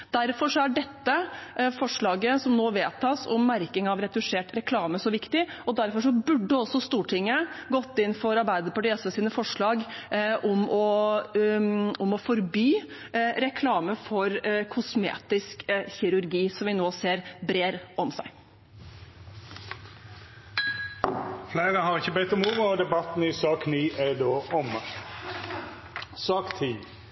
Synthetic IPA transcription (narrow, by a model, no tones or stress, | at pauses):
d̪æɾfɔʂɔæɖɛt̪ːəfɔʂɭɑːɡəsɔmnoːʋeːt̪ʰɑːsɔ̰mːæɾkɪŋɑʋɾɛd̪ʉʂeːʈɾɛkʰlɑːməsɔʋɪkt̪ɪɔd̪æɾfɔʂɔbʉɖːəɔsːɔst̪uːʈʰɪŋːəɡɔt̪ːɪnfɔɾɑɾbæɪd̪əpɑʈɪɑsəsiːnəfɔʂɭɑːɡʔɔmɔ | ɔmɔfɔɾbyː | ɾɛkʰlɑːməfɔɾkʰʊsmḛːt̪ɪskçɪɾʉɾɡiːsɔmʋɪnoːseːɾbɾeːɾʔɔmsæɪ | flæɪʁəɦɑʁɪçəbeɪt̪ɔmuːʋəɔd̪ɛbɑt̪n̩ɪsɑːkniːʔæd̪oːʔɔm | sɑːkt̪ʰɪː